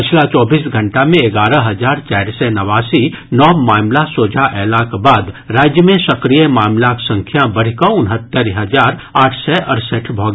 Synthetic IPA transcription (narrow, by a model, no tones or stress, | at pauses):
pɪt͡ʃʰlat͡ʃɔːbiːsɡʱɐ̃ɳʈamẽeɡaːɾəɦɐzaːɾt͡ʃɛːɾsɛnɐʋaːsinɔːmaːmlasoːd͡ʒʱaʔɛːlakbaːd̪ɾaːd͡ʒjəmẽsɐkɾijəmaːmlaksɐ̃ŋkʰjabɐɽ̤kãʊnɦət̪ːəɾɦɐzaːɾaːʈʰsɛʔɐɾsəʈʰbʱɔːɡ